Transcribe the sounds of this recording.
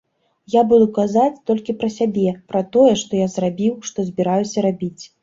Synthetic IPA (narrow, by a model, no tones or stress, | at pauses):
jabud̪ukazat͡sʲt̪ɔlʲkʲipɾɐsʲabʲɛpɾɐt̪ɔjɛʂt̪ɔjazrabʲiwʂt̪ɔzʲbʲiɾajusʲɐɾabʲit͡sʲ